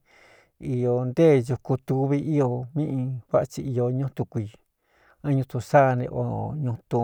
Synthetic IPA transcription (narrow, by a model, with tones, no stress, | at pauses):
i˧jo˧nd̪e˦˨ju˧ku˧t̪u˧βi˧ʔi˦jo˧mĩ˦ʔĩ˧kʷa˦ʔa˧t͡ʃi˧i˧jo˧ɲũ˦t̪u˧kʷi˧ | ã˦ɲũ˧t̪ũ˧sa˦˧nḛ̃˧ʔo̰˧˨˧ɲũ˧t̪ũ˧